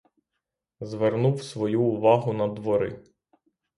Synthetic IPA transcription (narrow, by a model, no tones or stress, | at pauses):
zʋernuwsʋɔjuːʋɑɦʊnɐd̪ʋɔɾɪ̰